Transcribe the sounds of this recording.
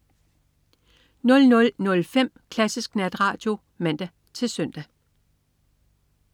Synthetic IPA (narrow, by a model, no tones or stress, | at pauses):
nɔ̽lnɔ̽lnɔ̽lfem̰kʰlæsisɡ̥næd̥ʁɑ̈ːd̥jo̝ | mæn̰d̥æ | t͡sʰe̝lsœn̰d̥æ